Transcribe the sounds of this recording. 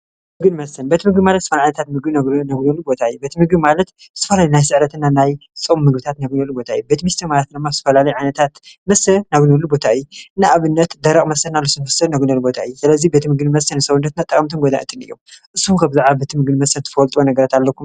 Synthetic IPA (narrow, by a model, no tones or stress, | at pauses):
mɨɡɨnmɐsɐnbet̪ʰimɨɡbimalɐt̪z̥t̪ːɐfɐlaʕanɐt̪ʰat̪mɨɡbiɡnaɡnolubo̞t̪ʰaɨjubet̪ʰimɨɡbimalɐt̪ | zɨ̥t̪ʰːɐfɐlalijnajsɨʕɾɐt̪ɨnːanajsʼɨmːɨɡbɨt̪ʰat̪naɡunɐlːubo̞t̪ʰaɨjubet̪mist̪ʰɐmalɐt̪̚d̪ɨmːazɨ̥t̪ɐfɐlalɐjʕajnɐt̪ʰat̪mɐsɐnaɡunolubo̞t̪ʰaɨjːuɨnːaʔaβɨnːɐt̪d̪ɐɾɐkʼmɐsɐnnalːosɨnmɐsɐnaɡunɐlubo̞t̪ʰaʔɨjːusɨlɐzibet̪imɨɡɨnmɐsɐnɨsɐβnːɐt̪nat̪ʼːɐkʼɐmt̪ʰɨnɡod̪a̰ʔɨ̰t̪ʰɨnɨ̰jːomʔɨsːumkʰɐβzaʕβabet̪ʰimɨɡɨnmɐsɐnt̪ʰɨ̥fɐlt̪ʼonɐɡɐɾat̪alːɐkʰum